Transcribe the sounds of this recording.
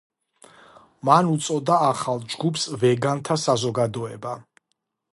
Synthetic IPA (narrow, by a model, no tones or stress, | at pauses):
manut̪sʼɔd̪aːχalˠd͡ʒɡupʰsvɛɡant̪ʰasazɔɡad̪ɔɛba